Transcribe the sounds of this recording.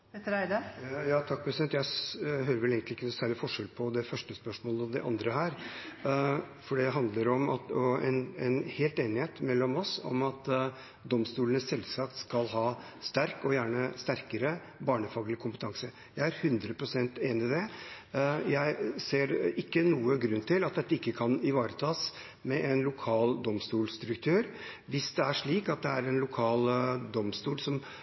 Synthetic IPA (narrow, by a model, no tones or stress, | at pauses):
pʰɛt̪ːəɾæɪd̪ɑjɑːt̪ʰɑk̚pʰɾɛsɪd̪ɛnt̪jæɪɦøːɾəʋɛleːɡŋt̪ɪkːənʊsæːɾɭɪfɔʂɛlpʰɔd̪ɛfœʂʈəspœʂmoːləɔd̪ɛʔɑ̰nd̪ɾəhæːɾ | fɔɖɛɦɑnd̪ləɾɔmɑt̪ɔɛ̰nɛnheːlt̪eːnɪheːt̪mɛlːɔmɔsɔ̰mɑt̪ | d̪ɔmst̪uːlənəsɛlsɑkt̪skɑlɦɑː | st̪æɾkɔjæːɳəst̪æɾkəɾə | bɑːɳəfɑːɡlɪkʰʊmpət̪ʰɑŋsə | jæɪæɾhʉnd̪ɾəpʰɾʊsɛnt̪eːnɪd̪ɛ | jæɪseːɾɪkːənuːəɡɾʉnːt̪ʰɪlɑt̪̚d̪ɛt̪ːəɪkːəkʰɑnɪʋɑːɾət̪ʰɑːs | mɛʔɛnlʊkʰɑːld̪ɔmst̪uːlsd̪ɾʉkt̪ʰøːɾ | ʋɪsd̪ɛæʂɭiːkɑt̪̚d̪ɛæɾɛnlʊkʰɑːld̪ɔmst̪uːlsɔm